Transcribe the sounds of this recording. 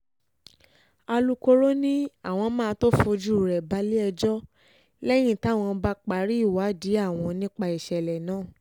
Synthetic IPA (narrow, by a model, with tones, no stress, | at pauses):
a˧lu˦ko˦ɾo˦nĩ˦a̰˦˨w̃ɔ̃˧mãː˦˧˦to˦fo˧d͡ʒu˦˨ɾɛ˨ba˨˦li˦ɛ˧d͡ʒɔ˦ | lɛ˦j̃ĩ˦˨ta˨˦˨w̃ɔ̃˧ba˦k͡pa˨˦ɾi˦i˦˨wa˨˦di˨˦a˦˨w̃ɔ̃˧nĩ˦k͡pa˧i˨ʃɛ˨lɛ˨nãː˦˨